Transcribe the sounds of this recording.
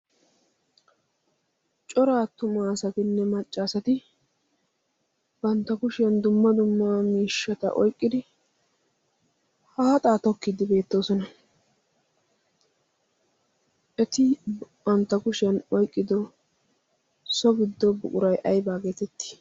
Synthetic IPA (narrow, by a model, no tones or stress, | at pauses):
t͡ʃʼɔɾaːt̪ʊmaːsɐt̪ɪnːɛmɐt͡ʃʼːaːsɐt̪ɪ | b̥ɐnt̪ːɐkʊʃɪɐnd̪ʊmːɐd̪ʊmːaːmiːʃːɐt̪ɐ̰ʔɔ̰jkʼːɪd̪ɪ | haːt̪ʼaːt̪ɔkːɪd̪ɪbe̞ːt̪ːo̞ːsɔnɐ | ʔɛt̪ɪbɐnt̪ːɐkʊʃɪɐnɔjkʼːɪd̪ɔ | sɔbɪd̪ːɔbʊ̰kʼʊɾɐjʔɐjbaːɡe̞ːt̪ɛt̪ːɪ̥